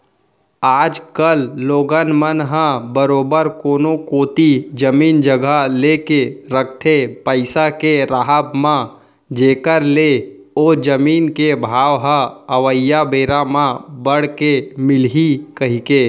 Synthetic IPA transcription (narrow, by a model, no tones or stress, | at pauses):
aːd͡ʒkəlːoːɡənmənɦãbəɾoːbəɾkoːnokoːt̪id͡ʒəmiːnd͡ʒəɡʱalekeɾək̚ʰt̪ʰepəɪsakeɾaɦəbmã | d͡ʒeːkəɾle | oːd͡ʒəmiːnkebʱaːʋɦə̃əʋəjːabeːɾamãbəɽkemɪlɦikəɦikeː